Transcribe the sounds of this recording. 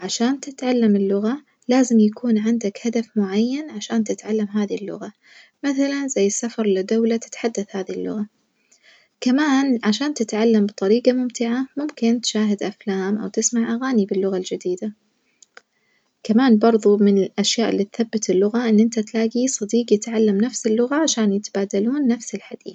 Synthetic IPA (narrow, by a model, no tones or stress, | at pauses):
ʕaʃaːnt̪ɪt̪ʕalːamɪlːʊɣa | laːzɪmjakuːnʕɪnd̪akhad̪afmʊʕajːanʕaʃaːnt̪ɪt̪ʕalːamɦaːðilːʊ̰ɣa | maθalanzajːɪsːafɑɾˤlɪd̪awlat̪ɪ̥t̪ħad̪ːaθhaːðilːʊ̰ɣa | kamaːnʕaʃaːnt̪ɪt̪ʕalːambɨt̪ˤɑɾiːqamʊmt̪ɪʕamʊmkɪnt̪ɪ̥ʃaːɦɪd̪ʔaflaːmʔa̰wt̪ɪsmaʕʔaɣaːnibɪlːʊɣald͡ʒɪd̪iːd̪a | kamaːnbɑɾˤðˤumɪnɪlʔaʃjaːʔɪlːiːt̪θabːɪt̪ɪlːʊɣaʔɪnːʔɪnt̪at̪laːɡisˤɑd̪iːqjɪt̪ʕalːamnafsɪlːʊɣaʕaʃaːnjɪt̪b̥aːd̪aluːnːafsɪlħad̪̥ḭːθ